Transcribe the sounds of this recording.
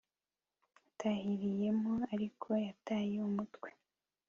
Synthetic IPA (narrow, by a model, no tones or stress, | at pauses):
jatʰahiɾije̞moaɾikʰo̞jataːjeumutkwe